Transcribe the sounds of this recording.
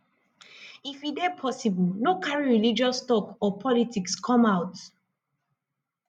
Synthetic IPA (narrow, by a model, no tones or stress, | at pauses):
ifidepʰɔsibɔlnokaɹiɹilid͡ʒɔsːtɔkɔpʰɔlitikskʰɔ̃maʊt